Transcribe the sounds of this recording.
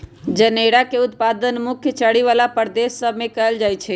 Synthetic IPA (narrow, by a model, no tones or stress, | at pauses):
d͡ʒəneɽakeʊt̪̚pad̪ənmukʰjət͡ʃəɽiʋalapəɾd̪esːəbʱmekəɦəld͡ʒajt͡ʃʰɛ